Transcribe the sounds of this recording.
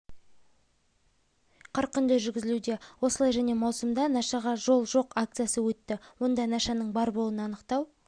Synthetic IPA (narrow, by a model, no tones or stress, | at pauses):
qʰɑɾqʏnd̪əʒʏɾɡʲɪzɪlud̪e̞wo̞səlˠɑjʒæne̞mɑwsəmd̪ɑnɑʃɑʁɑʒo̞lˠʒo̞qakt̪sɨjasəwɵt̪ːɪwo̞nd̪ɑnɑʃɑnəɴbɑɾbo̞lˠənəɑnəqt̪ɑw